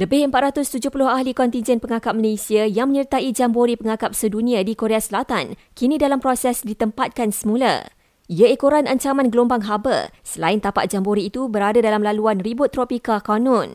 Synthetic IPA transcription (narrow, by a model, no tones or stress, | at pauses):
ləbɪhəmpat̪̚ɾat̪ʊst̪ud͡ʒʊhpulʊhahlikɔnt̪ind͡ʒɛnpəŋakap̚məlesiajaŋmə̃ɲərt̪aʔid͡ʒamboɾipəŋakap̚sədunĩadikoɾeasəlat̪an | kinĩdalampɾosɛsdit̪əmpat̪̚kansəmũla̰ | iaekoɾanaɲt͡ʃamãnɡəlombaŋɦabə̰səlaɪnt̪apa̰ʔ̪̚d͡ʒamboɾiːt̪ubəɾadadalamlaluanribʊt̪ːɾopikakanɔ̃n